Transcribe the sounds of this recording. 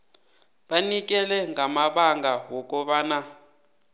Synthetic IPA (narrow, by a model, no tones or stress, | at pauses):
ɓanik̬ɛlɛŋamaɓaŋɡawɔk̬ʼɔɓaːna